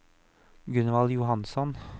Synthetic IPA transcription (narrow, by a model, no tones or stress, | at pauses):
ɡʉnʋɑljʊhɑnsɔn